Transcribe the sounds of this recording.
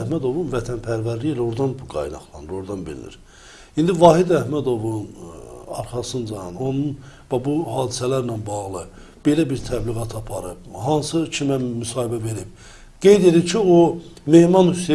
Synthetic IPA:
hmæd̪o̞vunvæt̪ʰænpʰæɾvæɾlijilæo̞ɾd̪ɑnbuɡɑ̰jnɑ̰χlˠɑ̰nɯɾo̞ɾd̪ɑnbḭɾḭnḭɾ | ind̪ivɑɦid̪æhmæd̪o̞vunɑ̰ɾχɑsɯnd͡ʒɑno̞nunvæbuɦɑːd̪isælæɾnænbɑɣlˠɯ | b̥e̞læbiɾt̪ʰæbliɣɑt̪ʰɑpʰɑɾɯbɦɑnsɯt͡ʃʰimæmysɑːhibæve̞ɾib̥ | ɡ̥e̞jd̪e̞d̪iɾcʰiome̞hmɑnyse

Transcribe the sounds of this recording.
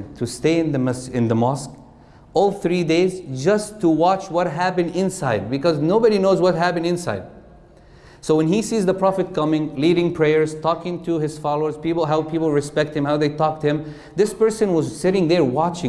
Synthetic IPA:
ntʰɨsteɪɨ̃nðɨmsɪ̃nðəmɑsk | ɔlˠθɹideɪzd͡ʒʌstʰːəwɑt͡ʃwʌt̚ɦæpɨ̃ndɪ̃nsaɪd̚bɨkɔznoʊbɨɾinoʊzwʌt̚ɦæpɨ̃ndɨ̃nsaɪd̚ | soʊwɨ̃nisizðəpʰɹ̥ɑfɨt̚kʰʌmɪ̃ŋliɾɪ̃ŋpʰɹ̥eɪəɹz̥tʰɔkɪ̃ŋtʰɨɪz̥fɑlˠoʊə˞z̥pipl̩ˠɦaʊpʰipl̩ˠɹɨspɛk̚thɨ̃mhaʊðeɪtʰɔk̚thɨ̃m | ðɪspɜ˞sɨ̃nwʌzsɪɾɪ̃ŋðə˞wɑt͡ʃɪ̃

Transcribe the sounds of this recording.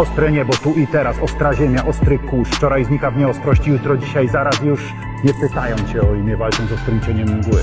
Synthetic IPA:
ɔst̪ɾɛɲɛbɔt̪uʔit̪ɛɾasɔst̪ɾaʑɛmʲjaʔɔst̪ɾɘkuʂft͡ʂɔɾajzɲikavɲɛɔst̪ɾɔɕt͡ɕijut̪ɾɔd͡ʑiɕajzaɾasjuʂ | ɲɛpɘt̪ajɔnɕɛɔimʲjɛvalt͡ʂɔ̃nzɔkt̪uɾɘmt͡ɕɛɲɛmuvʲiwɛ

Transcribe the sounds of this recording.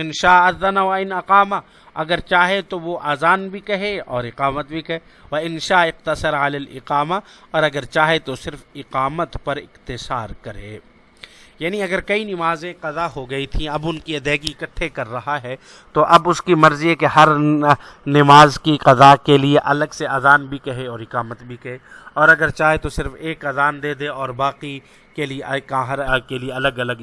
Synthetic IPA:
ɪnʃaːɐðːɐnaʋɐɪnɐqaːma | ɐɡəɾt͡ʃaːɦet̪oʋoʔaːzaːnbʱikɐɦeɔːɾɪqaːmət̪̚bʱikɐɦe | ʋɐɪnʃaːɪqt̪ɐsəɾalaːlɪ̰qaːmaɔːɾɐɡəɾt͡ʃaːɦet̪osɪɾfɪqaːmət̪pɐɾɪ̰qt̪ɪsaːɾkɐɾḛː | jaːniɐɡəɾkɐinɪmaːzẽqɐzaɦoɡɐit̪ʰĩɐbʊnkiɐd̪ɛːɡiɪkəʈʰːekɐɾːɐɦaɦɛː | t̪oʔɐbʊskimɐɾzjekeɦɐɾ | nɪmaːzkiqɐzakelieʔɐləɡseɐzaːnbʱikɐɦeɔːɾɪqaːmət̪bʱikɐɦeːɔːɾɐɡəɾt͡ʃaːɦet̪osɪɾfeːkɐzaːnd̪eːd̪eɔːɾbaːqi | kelieʔɐkɦɾkelieɐləɡɐləɡ

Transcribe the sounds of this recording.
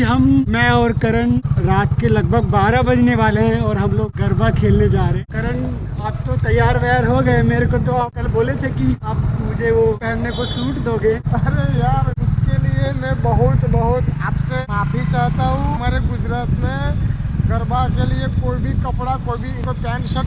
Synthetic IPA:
ɦɐmmɛ̃ɔːɾkɐɾəɳɾaːt̪kelɐɡbʱəɡ̚baːɾabɐd͡ʒneʋaːleɦɛ̃ɔːɾɦɐmloːɡːɐɾbakʰeːlned͡ʒaːɾeɦɛ̃kɐɾəɳ | aːp̚t̪ot̪ɐjːaːɾʋɛəɾɦoɡɐemeːɾekot̪oaːp̚kɐlboːlet̪ʰekiaːpmʊd͡ʒʱeʋopɛːnnːekosuːʈd̪oːɡẽːɐɾejaʊskeliemɛ̃bəɦʊt̪bəɦʊt̪aːpsemaːpʰit͡ʃaːɦt̪aɦũɦɐmaːɾeɡʊd͡ʒɾaːt̪mẽɡɐɾbakeliekoːibʱikɐpɽakoːibʱiɪkopɛːnʃəʈ

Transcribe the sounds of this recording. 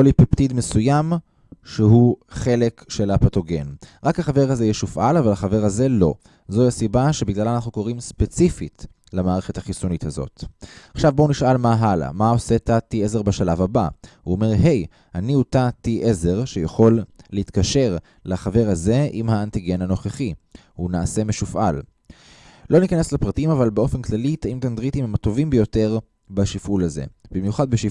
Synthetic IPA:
olipept̪id̪mesujam | ʃeɦuχe̞le̞kʃelapato̞ɡe̞̰nʁakhaχave̞ʁhaze̞jɛʃufʔa̰lavalhaχave̞ʁaze̞lo̞̰ | zoasibaʃebiɡlalanaχnuko̞ʁimspe̞t͡sifit | lemaːʁeχethaχisunithazo̞̰taχʃavboniʃalmaɦala̰mao̞se̞tatieze̞ʁbaʃalavaba̰uome̞ʁɦe̞j | aniutatiʔeze̞ʁʃejaχo̞lːehit̪kaʃe̞ʁ | laχave̞ʁaze̞ʔimhaːntiɡe̞nano̞χeχi | hunaːse̞meʃufʔa̰l | lo̞nikaneslepʁatimavalbeo̞fe̞nklalit̪aimtand̪ʁit̪imhemato̞vimbejo̞te̞ʁ | baʃifulaze̞̰bimjuχad̪̚beʃi

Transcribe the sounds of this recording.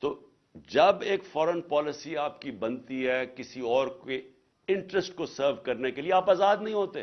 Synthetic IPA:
t̪oː | d͡ʒɐbeːkfɔːɾənpɔːlɪsiaːp̚kibɐ̃nt̪iɦɛkɪsiɔːɾke | ɪ̃ɳʈɾəsʈkosəːɾʋkɐɾnekelieaːpaːzaːd̪nɐɦĩɦoːt̪e

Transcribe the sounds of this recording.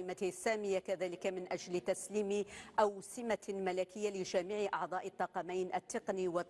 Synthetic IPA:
ɪmat̪sːaːmɪjːakaðaːlɪkamɪnʔaʒlt̪asliːmʔawsɪmamalakɪjːalɪʒaːmiʕɪʔɑʕd̪ˤɑːʔɪt̪ˤːɑːqɑmajnʔat̪ːɪqniwɪ

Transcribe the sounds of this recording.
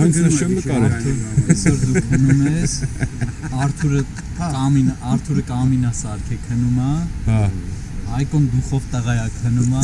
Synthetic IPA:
ɑŋkʰnəʃɛəkɑɾɔt̪ʰɛɛsɔɾd̪ukʰhnumɛs | ɑɾt̪ʰuɾə | kɑminɑɾt̪ʰuɾəkɑminɑsɑɾkʰɛkʰənumɑhɑ | ɑjkɔnd̪uχɔvt̪əʁɑjɑkʰhənumɑ

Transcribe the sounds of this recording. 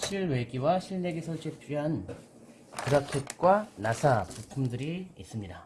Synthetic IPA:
ɕʰiɭwe̞ɡiwaɕʰiɭne̞ɡesʰʌt͡ɕep͈ʰɥiɦan | kuɾakʰet̚k͈wanasʰapupʰumdɯɾiːs͈ɯmɲida

